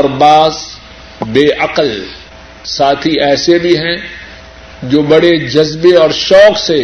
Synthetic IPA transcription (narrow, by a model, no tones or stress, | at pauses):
ɾbaːz | beːʔɐqəl | saːt̪ʰiɛːsebʱiɦɛ̃ | d͡ʒoːbɐɽed͡ʒɐzbeɔːɾʃɔːkse